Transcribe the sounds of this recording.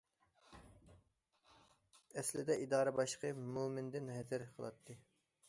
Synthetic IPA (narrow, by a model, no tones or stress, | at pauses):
ɛslɪd̪ɛʔid̪ɑːɾɛbɑʃqʰəmumɪnd̪ɪnɦɛzɪɾqʰəlˠɑ̰t̪ʰːɨ